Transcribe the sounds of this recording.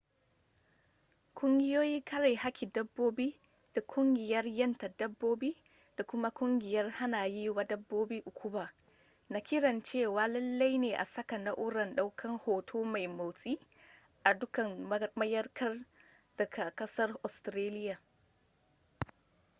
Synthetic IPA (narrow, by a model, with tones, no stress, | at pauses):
kʷʼʊ˦ŋɡʲɪ˦joː˦jiː˦kʰɐ˦ɾa˨jha˦kʲi˨dɐ˦bːoː˦bi˦ | d̥a˨kʷʊ˦ŋɡʲɪ˨jɐ˦rjɐ˦nta˨dɐ˦bːoː˦biː˦ | d̥a˨kʷʊ˦ma˦kʷʼʊ˦ŋɡʲɪ˨jɐ˦rha˦naː˨jiː˦wa˦dɐ˦bːoː˦biː˦ʔʊ˨kʷʰʊ˦baː˨ | na˦kʲɪ˦ɾɐ˨nt͡ʃeː˦waː˨lɐ˦lːa˦jneː˨ʔa˨sɐ˦ka˨na˦ʔʊ˦ɾɐ˨nɗa˦wkʰɐ˦ŋhoː˨tʰoː˦ma˨jma˨wsʼiː˦ | ʔa˨dʊ˦kɐ˨n˦mɐ˦jɐ˦rkʰɐ˦r | d̥ɐ˨kʰa˨kɐ˦sɐ˦rʔɔ˨stɾaː˦lɪ˦jaː˨